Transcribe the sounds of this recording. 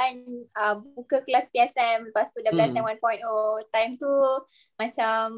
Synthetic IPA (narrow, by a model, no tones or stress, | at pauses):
anəbukəklaspiɛsɛmpast̪udəplɛsɛ̃mwanpɔjntot̪ajmt̪u | mãt͡ʃam